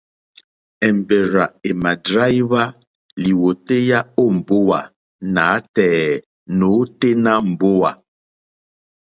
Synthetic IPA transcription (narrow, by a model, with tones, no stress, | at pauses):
ɛ˨m̩˨be˨ɾa˨e˨ma˨dɾa˦jβa˦ | li˨wo˨te˦ja˦o˦˨m̩˨bo˦wa˨ | na˨˦tɛ˨ | no˨˦te˦na˦m̩˨bo˦wa˨